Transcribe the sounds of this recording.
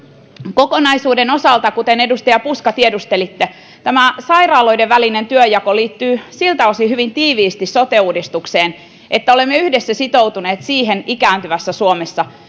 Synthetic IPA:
ko̞konɑjsuːdeno̞sɑlt̪ɑkut̪enedust̪ɑjɑpuskɑt̪iedust̪elit̪ːe | t̪æmæsɑjrɑːlo̞jdeʋʋælinent̪yøjɑkoliːt̪ːyːsilt̪æosihyʋint̪iːʋiːst̪isot̪euːdist̪ukseːn | ʔet̪ːæole̞mːeyhdesːæsit̪o̞wt̪uneːt̪siːɦenikæːnt̪yʋæsːæsuomesːɑ

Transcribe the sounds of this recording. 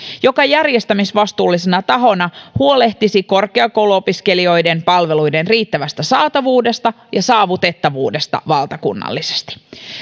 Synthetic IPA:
jo̞kɑjærjest̪æmisʋɑst̪uːlːisenɑt̪ɑɦo̞nɑhuo̞le̞ht̪isiko̞rke̞ɑko̞wluopiske̞lio̞jde̞mpɑlʋe̞lujde̞nriːt̪ːæʋæst̪æsɑːt̪ɑʋuːde̞st̪ɑ | jɑsɑːʋut̪e̞t̪ːɑʋṵːde̞st̪ɑ̰ʋɑlt̪ɑkṵnːɑ̰lːise̥st̪i̥

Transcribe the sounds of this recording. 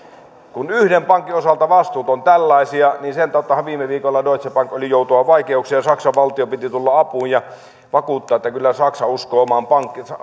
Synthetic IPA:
kunyhdempɑŋkːˑiosɑlt̪ɑʋɑst̪uːt̪ont̪ælːɑisiɑniːnsent̪ɑˑut̪ːˑɑhɑʋʋiːmːˑeʋiːkolːɑdoˑit̪sepɑŋkolijoˑut̪uʋɑʋɑikeuksijɑjɑsɑksɑʋʋɑlt̪iopit̪it̪ulːɑɑpuːjjɑ | ʋɑkuːt̪ːɑːet̪ːækylːæsɑksɑuskoːmɑːmpɑŋkːisɑ

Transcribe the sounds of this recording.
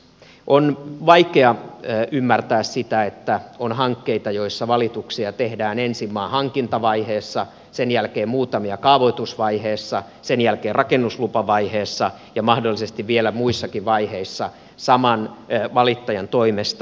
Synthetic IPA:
ʔonʋɑikeɑʔymːært̪æːssit̪æet̪ːæonhɑŋkːeit̪ɑjoisːɑʋɑlit̪uksiɑt̪ehdæːnensimːɑːhɑŋkint̪ɑʋɑiheːsːɑ | senjælkeːmmuːt̪ɑmiɑkɑʋot̪usʋɑiheːsːɑ | senjælkeːrɑkenːuslupɑʋɑiheːsːɑ | jɑmɑhdolːˑisest̪iʋʋielæmuisːɑkiʋʋɑiheisːɑ | sɑmɑnʋɑlit̪ːɑjɑnt̪oimest̪

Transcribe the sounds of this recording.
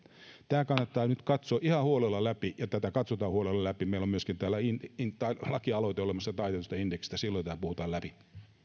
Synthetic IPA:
t̪æːkɑnːɑt̪ːɑːnyt̪kɑt̪soːʔihɑhuolelːɑlæpijɑt̪æt̪ækɑt̪sot̪ɑːhuolelːɑlæpimeilomyøskint̪æːlæinint̪ːɑilɑkiɑloit̪eolemɑsːɑt̪ɑit̪et̪ust̪ɑindeksi̥st̪æsilːojt̪æːpuhut̪ɑːlæpi

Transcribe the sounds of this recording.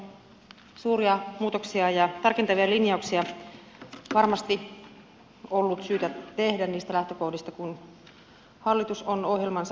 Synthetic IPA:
suːriɑmuːt̪oksiɑjɑt̪ɑrkent̪ɑʋiɑlinjɑuksiɑ | ʋɑrmɑst̪i | olːut̪syːt̪æt̪ehdænniːst̪ælæht̪økohdist̪ɑkun | hɑlːit̪usonohjelmɑns

